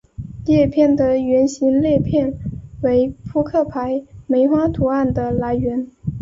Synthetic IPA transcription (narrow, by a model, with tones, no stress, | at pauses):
ljɛ˥˧pʰjɛ˥˩nd̪ə˩ɥɛ˧˥nɕi˧˥nljɛ˥˧pʰjɛ˥˩nwe˧˥ɪpʰu˥kʰɤ˥˩pʰa˧˥ɪme˧˥ɪxwa˥t̪ʰu˧˥a˥˩nd̪ə˨la˧˥ɪɥɛ˧˥n